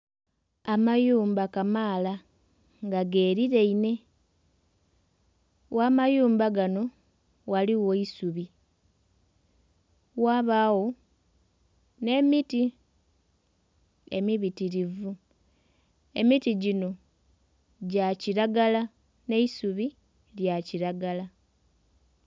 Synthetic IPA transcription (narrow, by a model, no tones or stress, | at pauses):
amajuːmbakamaːla | ŋɡaɡe̞ːɾiɾe̞ine̞ | wʔaːmajuːmbaɡano̞ | ɣaliwo̞isuβi | waβawo̞ | ne̞miti | e̞̰miβitiɾivu | e̞̰mitiɟino̞ | ɟaciɾaɡala | ne̞isuβi | ljaciɾaɡala